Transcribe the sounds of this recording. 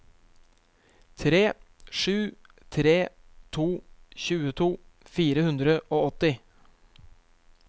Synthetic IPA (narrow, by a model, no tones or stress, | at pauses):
t̪ʰɾeːʂʉː | t̪ʰɾeːt̪ʰuːçʉːət̪ʰuːfiːɾəhʉnd̪ɾəʔoːɔt̪ɪ